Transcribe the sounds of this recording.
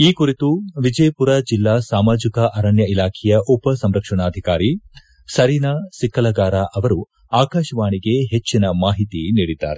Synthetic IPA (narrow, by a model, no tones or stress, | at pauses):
iːkuɾit̪uʋid͡ʒɐjpuɾɐd͡ʒilːaːsaːmaːd͡ʒikɐʔɐɾɐɳjɐilaːkʰɛjɐʔupɐsɐmɾɐkʂɐɳaːd̪ʱikaːɾi | sɐɾiːnasikːɐlɐɡaːɾaːʔɐʋɐɾu | aːkaːʃɐʋaːɳiɡe̞ɦet͡ʃːinɐmaːɦit̪iniːɽid̪ːa̰ːɾe